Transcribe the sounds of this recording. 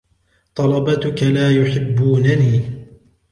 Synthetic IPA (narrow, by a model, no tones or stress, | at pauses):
t̪ˤɑlɑbɑt̪ʊkalaːjʊħɪbːuːnaniː